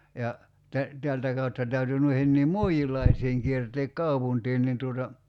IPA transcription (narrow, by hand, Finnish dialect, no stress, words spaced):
jɑ tæ teæltæ kɑutːɑ tæyty nuihenːiːm mu̞iilˑɑisiːŋ kierteːk kɑupuntiːn nin tuotɑ